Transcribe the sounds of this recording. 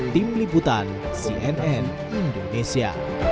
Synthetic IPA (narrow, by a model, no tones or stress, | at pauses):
t̪imliput̪an | siʔɛnɛn | ind̪onesia̰